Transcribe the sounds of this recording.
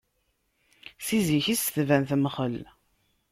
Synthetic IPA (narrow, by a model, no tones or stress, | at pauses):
siziçisθvænθməχəl